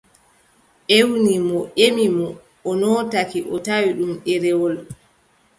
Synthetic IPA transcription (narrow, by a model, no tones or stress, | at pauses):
ʔewnimɔʔemimɔ | ɔnɔːtakiʔɔtawiɗumɗɛɾɛwɔl